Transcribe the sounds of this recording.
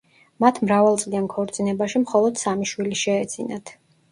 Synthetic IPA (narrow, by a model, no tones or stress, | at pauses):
mat̪ʰmɾavalˠt̪sʼliankʰɔɾt̪sʼinɛbaʃimχɔlˠɔd̪̥samiʃwiliʃɛɛd̪z̥inat̪ʰ